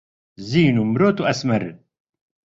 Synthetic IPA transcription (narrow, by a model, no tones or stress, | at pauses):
ziːnumɾoːt̪uʔɐsmɐɾ